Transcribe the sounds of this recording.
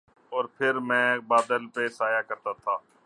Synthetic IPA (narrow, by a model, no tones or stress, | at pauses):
ɔːɾpʰɪɾmɛ̃ːbaːd̪əlpeːsaːjaːkəɾt̪aːt̪ʰaː